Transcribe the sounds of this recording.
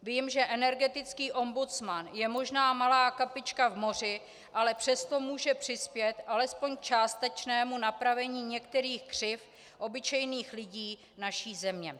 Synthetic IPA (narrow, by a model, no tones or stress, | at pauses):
viːmʒɛʔɛnɛɾɡɛt̪ɪt͡skiːʔo̞mbut͡smanjɛmo̞ʒnaːmalaːkapɪt͡ʃkavmo̞r̝ɪ | ʔalɛpr̝̥ɛst̪o̞muːʒɛpr̝̥ɪspjɛt̪ʔalɛspo̞ɲk̚t͡ʃaːst̪ɛt͡ʃnɛːmunapɾavɛɲiːɲɛkt̪ɛɾiːxkr̝̥ɪf | ʔo̞bɪt͡ʃɛjniːxlɪɟiː | naʃiːzɛmɲɛ